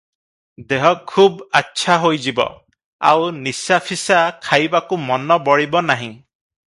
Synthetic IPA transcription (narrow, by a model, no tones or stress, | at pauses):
d̪eɦɔkʰubatːʃʰaɦojd͡ʒibɔ̰ | a̰wnisapʰisakʰajbakumɔnɔbɔɽibɔnaɦĩ